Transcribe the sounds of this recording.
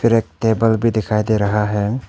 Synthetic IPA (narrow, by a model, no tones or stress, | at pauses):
pʰiɾek̚tebəlbʱid̪ikʰajd̪eɾɐɦaɦɛ